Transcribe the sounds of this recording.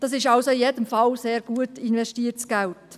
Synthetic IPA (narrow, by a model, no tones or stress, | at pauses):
d̥ɑsɪʃɑlsoɪjedəmfɑlseːɾɡ̥uətɪnʋɛʃtiːəɾt͡sɡ̥ɛlt